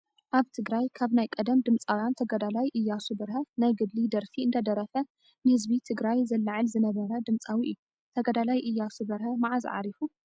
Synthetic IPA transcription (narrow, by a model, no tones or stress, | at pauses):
ʔaβt̪ʰɨɡɾajkʰaβnajkʼɐd̪ɐmd̪ɨmt͡sʼawjant̪ʰɐɡɐd̪alajʔɨjːasubɐɾhɐnajɡɨd̪lid̪ɐɾfiɨnd̪ɐd̪ɐɾɐfɐ | nɨhɨzbit̪ʰɨɡɾajzɐlːɨʕɨlzɨnɐβɐɾɐd̪ɨmt͡sʼawiʔɨ̰jːu | t̪ʰɐɡɐd̪alajʔɨjːasubɐɾhɐmaʕazʕa̰ɾifu